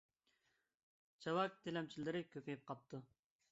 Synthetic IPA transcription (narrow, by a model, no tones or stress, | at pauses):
t͡ʃʰɑwɑk̚t̪ʰelɛmt͡ʃʰilɪɾɪkʲøpʰejp̚qʰɑp̚t̪ʰu